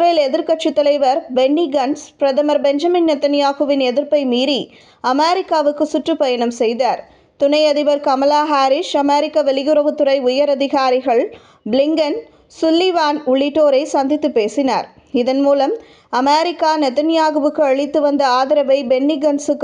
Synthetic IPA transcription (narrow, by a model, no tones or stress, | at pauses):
ɾɐjlɛðɪɾkɐʈt͡ʃit̪ːɐlɐɪʋɐɾbɛnːiɡɐnspɾɐðɐmɐɾbɛɲd͡ʒɐmɪnnɐt̪ːɐnɪjaːɣɯʋɪnɛðɪɾpɐɪmiːɾi | ɐmeːɾɪkːaːʋɯkːɯsʊʈrɯpɐjɐɳɐmsɛjðaːɾ | t̪ʊnɐɪɐðɪʋɐɾkɐmɐlaːɦaːɾɪʂɐmeːɾɪkːɐʋɛɭɪjʊɾɐɣɯt̪ːʊɾɐɪʊjɐɾɐðɪɣaːɾɪɣɐɭ | blɪŋɡɐn | sʊlːiʋaːnʊɭːɪʈːoːɾɐɪsɐnd̪ɪt̪ːɯpːeːsɪna̰ːɾ | ɪðɐnmuːlɐm | ɐmeːɾɪkːaːnɐt̪ɐnɪjaːɣɯʋɯkːɯɐɭɪt̪ːɯʋɐnd̪ɐaːðɪɾɐʋɐɪbɛnːiɡɐnsɯkː